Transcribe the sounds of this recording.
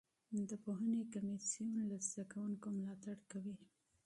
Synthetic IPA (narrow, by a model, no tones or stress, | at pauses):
d̪əpoɦənekamisijunlazd̪akawuŋkomlɑt̪aɽkawi